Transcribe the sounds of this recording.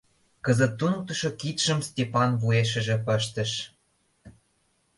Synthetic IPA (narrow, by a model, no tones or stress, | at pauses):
kəzə̆t̪ːunɤk̚t̪ə̆ʃokit̪ʃə̆mstʲepɑnβueʃ̬ə̆ʒĕpə̆ʃt̪ə̆ʃ